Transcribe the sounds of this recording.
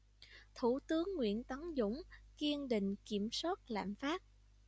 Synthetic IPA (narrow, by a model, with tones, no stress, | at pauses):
t̪ʰu˧˩t̪ɨ˨˦əŋːwḭ˧˨ənt̪ə˨˦ŋzʊ̰˧˥ŋ͡mki˧əŋɗï˧˨ŋ̟ki˧˩əmswaː˦˥t̚la̰ː˧˨mfaː˦˥t̚